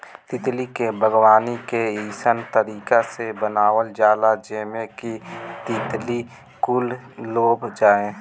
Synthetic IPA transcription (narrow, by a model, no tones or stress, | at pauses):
t̪ɪt̪likebʱəɡwaːnikeiːsənt̪əɾiːkasebənaːwəld͡ʒaːlad͡ʒeːmekit̪ɪt̪li | kʊlːoːbd͡ʒaːẽː